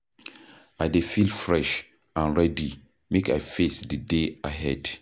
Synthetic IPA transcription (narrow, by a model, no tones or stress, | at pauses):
ajdefilfɹɛʃ | ãnɹɛdi | meka̰jfesdədeaɦɛd̥